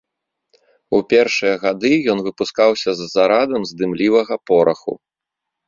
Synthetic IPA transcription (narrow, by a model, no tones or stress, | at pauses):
upʲɛrʂɨjɐɣad̪ɨjɔnvɨpuskawsʲɐzːaɾad̪ɐmzd̪ɨmlʲivɐɣɐpɔɾʔɐxṵ